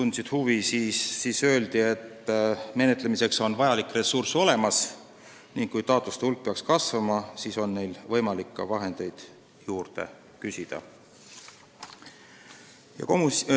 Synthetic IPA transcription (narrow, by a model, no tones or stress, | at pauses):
t̪unsid̪̥huvisiːiːsø̞ːld̪̥ie̞t̪ːˑme̞ne̞t̪ˑlemise̞kso̞nvɑjɑlikːˑre̞surso̞le̞mɑs | niŋɡ̥kujt̪ɑːt̪ːˑust̪eulk̚peɑkskɑsvɑmɑsiːso̞nːe̞jlvɤ̞jmɑlikːɑ̰vɑɦe̞nd̪̥e̞jd̪̥ | juːrd̪e̞̰ | kysʲid̪̥ɑ̰ | jɑ̰k